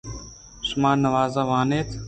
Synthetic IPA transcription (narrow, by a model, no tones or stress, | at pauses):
sʊmaːnːəʋaːzaːʋaːneːt̪ʰ